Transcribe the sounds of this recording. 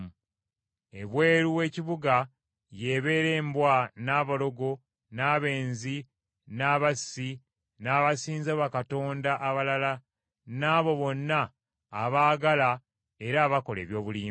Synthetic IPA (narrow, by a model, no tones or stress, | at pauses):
ḛβwe̞ːɾuwe̞ːciβuɡa | je̞βe̞ːɾeːmbwanaːβalo̞ɡo̞ | naːβe̞ːnzi | naːβasːi | naːβasiːnzaβakato̞ːndaʔaβalala | naːβo̞βo̞nːaː | βaːɡala | e̞ɾaːβako̞lḛːβjo̞ːβuliː